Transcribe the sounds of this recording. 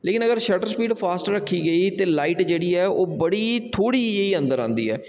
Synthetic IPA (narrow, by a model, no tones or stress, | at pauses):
leːkɪnəɡəɾʃəʈəɾspiːɖpʰaːsʈɾəkʰːiːɡəiːt̪eːlaːiʈd͡ʒeːɽiːɛːoːbəɽiːt̪ʰoːɽiːiːə̃nd̪əɾãːnd̪ḭːɛː